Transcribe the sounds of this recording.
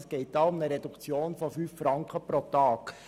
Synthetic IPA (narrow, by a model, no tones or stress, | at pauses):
sɡ̥ɛɪt̚d̥ɑːʊmnəɾɛdukt͡sjoːnfɔfyːffɾɑŋkχəpɾotɑːk